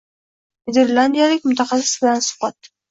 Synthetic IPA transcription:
ned̪eɾland̪ijalɪk̚ʲmʊt̪ʰaχɑsɪ̥sbɪlansʊ̥qɑt̪

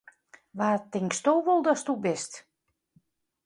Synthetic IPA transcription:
ʋaːrtɪŋkstoːʋolˠdɔstubɪst

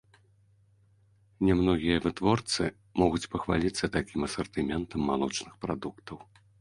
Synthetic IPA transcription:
nʲɛmnɔɣʲijɐvɨt̪vɔrt̪sɨ | mɔɣut͡sʲpɐxvalʲit̪sːɐt̪akʲimɐsɐrt̪ɨmʲɛnt̪ɐmːalˠut͡ʂnɨxpɾad̪ukt̪ɐw

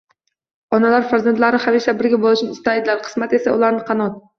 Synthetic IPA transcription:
ɒnalaɾfaɾzant̪laɾɪhaveʃabɪɾɡʲabolˠɪʃnɪɪst̪aɪd̪laɾqʰɨ̥smat̪e̞saʊlaɾnɪqʰɑnɒt̪̚

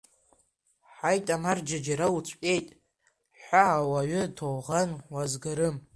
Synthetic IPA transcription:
ħajtʼamard͡ʒad͡ʒaɾawut͡ʃʷʰʼkʲʼe̞jtʼ | ħʷaːwaɥʏtʰowʁanwazɡaɾɨm

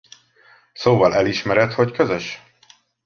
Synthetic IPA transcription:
soːvɒlɛliʃmɛɾɛt̪ho̞ckøzøʃ

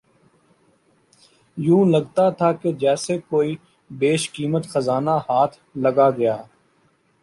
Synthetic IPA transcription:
jũːləɡt̪at̪ʰaːked͡ʒɛːsekoːiː | beːʃkiːmət̪xəzaːnahaːt̪ʰlɐɡaɡɐjaː

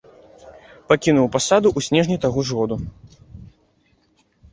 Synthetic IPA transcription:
pakʲinuwpasad̪uʔusʲnʲɛʐnʲijt̪aɣɔʐɣɔd̪u

